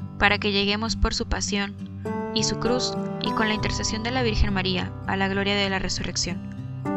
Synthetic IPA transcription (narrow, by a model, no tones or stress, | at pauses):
paɾake̞ʝe̞ɣe̞mo̞spo̞ɾsupasjo̞n | isukɾusḭko̞nlaint̪e̞ɾse̞sjo̞nd̪e̞laβ̞iɾxe̞nmaɾia̰ | alaɣ̞lo̞ɾjaðe̞larʔe̞sure̞ksjo̞n